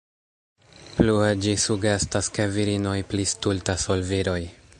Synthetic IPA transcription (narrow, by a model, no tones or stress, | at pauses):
plued͡ʒisuɡe̞staskeviɾino̞jplistultaso̞lviɾo̞j